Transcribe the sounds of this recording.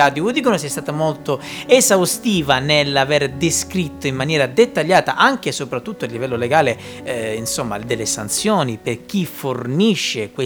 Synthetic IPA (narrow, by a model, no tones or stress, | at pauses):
aːd̪jovod̪ikonosɛst̪aːt̪amolt̪oezawst̪iːvanelːaveɾd̪eskɾit̪ːoimːanjɛːɾad̪et̪ːaʎːaːt̪a̰ʔaŋk̟esopɾat̪ːut̪ːoalːivɛlːoleɡaːleinsomːa̰d̪elːesant̪sjoːniperk̟iforniʃːekwe